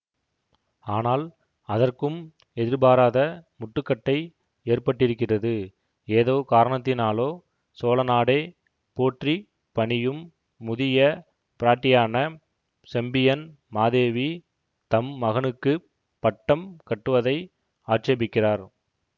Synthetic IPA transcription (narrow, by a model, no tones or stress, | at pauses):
aːnaːl | ɐðɐrkɯm | ɛðɪɾbaːɾaːðɐmʊʈːɯkːɐʈːɐɪ | eːrpɐʈːɪɾɯkːɪrɐðɯ | eːðoːkaːɾɐɳɐt̪̬ːɪnaːloː | soːlɐnaːɽeː | poːʈri | pɐɳɪjɯmː | ʊðɪjɐ | pɪɾaːʈːɪjaːnɐ | sɛmbɪjɐn | maːðeːʋi | t̪ɐmːɐɣɐnɯkːɯ | pɐʈːɐmkɐʈːɯʋɐðɐɪ | aːʈt͡ʃeːbɪkːɪraːɾ